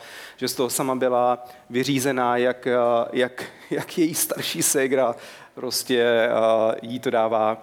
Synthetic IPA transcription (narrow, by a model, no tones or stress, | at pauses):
ʒ̥ɛst̪o̞ɦosamabɪla | vɪr̝iːzɛnaːjakjak | jakjɛjiːst̪aɾʃiːsɛɡɾa | pɾo̞scɛ | jiːt̪o̞daːvaː